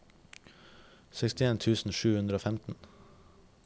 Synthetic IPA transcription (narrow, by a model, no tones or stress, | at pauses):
sɛkst̪ɪeːnt̪ʰʉːsn̩ʃʉːhʉnd̪ɾəoːfæmt̪n̩